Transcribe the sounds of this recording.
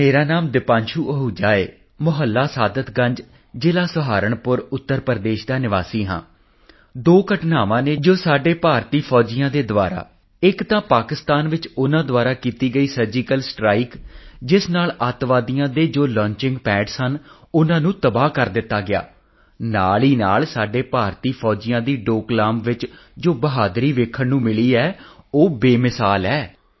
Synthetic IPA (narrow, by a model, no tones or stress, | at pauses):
meːɾaːnaːmd̪ɪpãːɲt͡ʃʰuːʔəɦuːd͡ʒaːeː | mʊɦəlːaːsaːd̪ət̪ɡəɲd͡ʒ | d͡ʒeːlaːsʊɦaːɾəɳpʊɾʊt̪ːəɾpəɾd̪eːʃd̪aːnɪʋa̰ːsiːɦã̰ː | d̪oːkəʈnaːʋãːneːd͡ʒoːsaːɖeːpaːɾt̪iːpʰɔːd͡ʒɪjãːd̪eːd̪ʋa̰ːɾa̰ː | ɪkt̪ãːpaːkɪst̪aːnʋɪt͡ʃʊnãːd̪oʋaːɾaːkiːt̪iːɡəiːsəɾd͡ʒiːkəlsʈɾaːikd͡ʒɪsnaːlət̪ʋaːd̪ijãːd̪eːd͡ʒoːlɔ̃ːɲt͡ʃɪ̃ŋɡpɛːɖsən | ʊnãːnũːt̪əbaːkəɾd̪ɪt̪ːaːɡɪa̰ː | naːɭiːnaːlsaːɖeːpaːɾt̪iːpʰɔːd͡ʒɪjãːd̪iːɖoːklaːmʋɪt͡ʃd͡ʒoːbəɦaːd̪ɾiːʋeːkʰːənnũːmɪliːɛːoːbeːmɪsaːlɛː